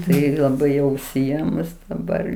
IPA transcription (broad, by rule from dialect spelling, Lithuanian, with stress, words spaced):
ˈtɐɪ lˠɐˈbɐɪ jɛʊ ʊʃʲsʲɪˈeːmʊs dɐˈbɐr